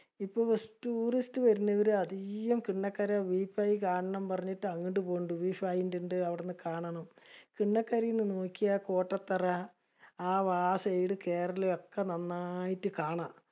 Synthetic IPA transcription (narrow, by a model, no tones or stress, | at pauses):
ipːoːsʈuːristɨʋɐɾunːɐʋɐɾɨɐd̪ijɐmkiɳːɐkːɐɾɐʋiːfajikaːɳɐɳɐmpɐrɐɲːiʈːɨɐŋːiʈːɨpoːuɳɖɨʋiːfajindeɳɖɨɐʋiɽenːɨkaːɳɐɳɐmkiɳːɐkːɐɾɐjinːɨnoːkʲːijɐko̞ːʈːɐt̪ːɐrɐ | aːʋaːsɐjiɽɨke̞ːrɐleo̞kːenɐnːajitːɨkaːɳa